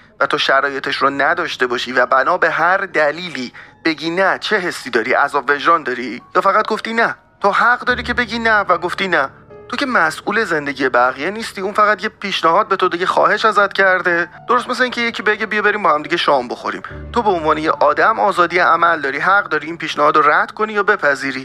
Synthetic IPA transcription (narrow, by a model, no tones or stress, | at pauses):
væt̪ʰoʃæɾɒːje̞t̪ʰe̞ʃɾonæd̪ɒːʃt̪e̞bɒːʃiːvæbænɒːbe̞ɦæɾd̪æliːliːb̥e̞ɟiːnæt͡ʃʰe̞ɦesːiːd̪ɒːɾḭʔæ̰zɒːbve̞d͡ʒɾɒːnd̪ɒːɾijɒːfæɣæt̪̚ɡo̞ft̪iːnæ | t̪ʰohæɢd̪ɒːɾiːcʰe̞be̞ɟiːnævæɡo̞ft̪iːnæ | t̪ʰo̞cʰe̞mæsʔuːle̞ze̞nd̪e̞ɟije̞bæɣije̞niːst̪iːunfæɣæt̪jepʰiːʃnæɦɒːd̪̚be̞t̪ʰod̪iɟe̞xɒ̰ːhe̞ʃæzæt̪cʰæɾd̪e̞d̪̥o̞ɾost̪mes̬eiːŋcʰe̞jecʰibe̞ɟebijebe̞ɾiːmbɒːhæmd̪iɟeʃɒːmbo̞xo̞̰ɾḭːmt̪ʰo̞beonvɒːne̞jeʔɒːd̪æmɒːzɒːd̪ijeʔæmæld̪ɒːɾiːɦæɣɢd̪ɒːɾiiːnpiːʃnæhɒːd̪oræd̪̥kʰo̞nijɒːbe̞pʰæziːɾiː